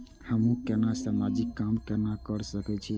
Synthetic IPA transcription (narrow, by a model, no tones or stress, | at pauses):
həmũkenasamad͡ʒikːamkeɾnakəɾsəkɛt͡ʃʰi